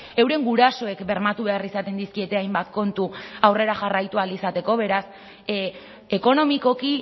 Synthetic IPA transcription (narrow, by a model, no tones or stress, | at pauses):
e̞wɾe̞ŋɡuɾaso̞e̞kbe̞ɾmat̪uβe̞arisat̪e̞nd̪iskie̞t̪e̞ajmbat̪ko̞nt̪uawre̞ɾaʝarajt̪ualisat̪e̞ko̞βe̞ɾas | eko̞no̞miko̞ki